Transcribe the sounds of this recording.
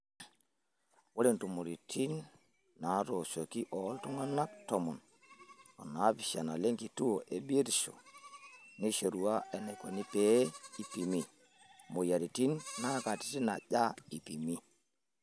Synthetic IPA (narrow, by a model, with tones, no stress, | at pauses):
wo˦le˨ntu˨mo˨ɾi˨tʰi˦nː | a˨˦ɾo˨so˨ki˦ʔɔ˨˦ltu˦ŋa˦na˦k̚tɔ˨mɔ˨n | ɔ̰˨na˨˦pi˨ʃa˨na˨le˦ŋki˨tu˦o˨ʔe˨bi˦e˦ɾso̰˨ | ni˦ʃe˨ɾu˨a˦e˨ne˨ko˨ni˦pe˨˦i˨pi˨mi˨ | mo˨ja˨ɾi˨ti˦nːa˦ka˨ti̥˦ti˦na̰˨ʄa˦i˨pi˨mi˦